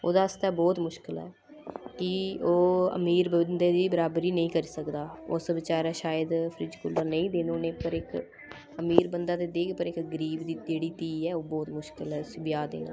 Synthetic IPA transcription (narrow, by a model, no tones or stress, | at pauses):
o̰ːd̪aːəst̪ɛːbɔːt̪mʊʃkɪlɛ̰ː | kɪoːə̰miːɾbənd̪eːd̪iːbəɾaːbɾiːnəĩːkəɾiːsəkd̪aːosbɪt͡ʃaːɾɛːʃaːjəd̪pʰɾɪd͡ʒkʊlːəɾnəĩːd̪ẽːnoːnẽːpəɾɪk | əmiːɾbənd̪aːt̪eːd̪eːkʰpəɾɪkɡəɾiːbd̪id͡ʒeːɽiːt̪iːɛːoːbɔːt̪mʊʃkɪlɦɛːsbɪjaːd̪ḛːnã̰ː